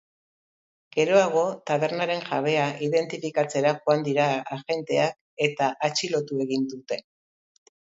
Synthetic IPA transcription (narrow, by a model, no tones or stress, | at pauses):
ɡ̥e̞ɾo̞aɣ̞o̞t̪aβ̞e̞ɾnaɾe̞ŋʝa̰β̞e̞aʔiðe̞nt̪ifikat͡se̞ɾaʝoand̪iɾaaʝe̞nt̪e̞ak | e̞t̪aʔat͡ʃilo̞t̪ue̞ɣind̪ut̪e̞